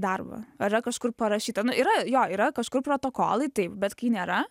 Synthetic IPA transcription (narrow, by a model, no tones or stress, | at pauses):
d̪ɐrbɐ̰ɐiɾɐkɐʃkʊrpɐɾɐʃʲiːt̪ɐnʊʔiːɾɐjoːiːɾɐkɐʃkʊrpɾoːt̪oːko̰ːlˠɐɪt̪ɐɪpbʲɛt̪kɐɪnʲeːɾɐ